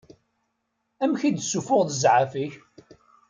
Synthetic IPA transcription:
æmçid̪sːufʊʁðəzʕafiç

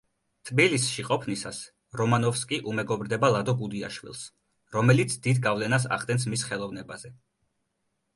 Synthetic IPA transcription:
t̪ʰʼbilisʃiqʼɔpʰnisas | ɾɔmanɔfskʼiʔumɛɡɔbɾd̪ɛbalˠad̪ɔɡud̪ia̰ʃwḭlˠs | ɾɔmɛlit̪sʰd̪id̪ɡavlɛnas̬a̰χd̪ʼɛns̬misχɛlˠɔvnɛbazɛ

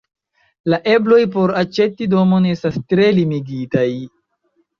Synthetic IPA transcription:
laʔe̞blo̞jp̬o̞ɾat͡ʃe̞tːido̞mo̞ne̞stastɾe̞limiɡitaj

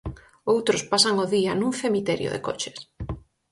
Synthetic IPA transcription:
owt̪ɾʊspasaŋoðianũŋθemit̪ɛɾjo̰ðḛko̰t͡ʃe̥s

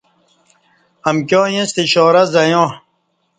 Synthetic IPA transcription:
ɐmkjõːjẽst̪iɕɔːɾɐzɐjõː

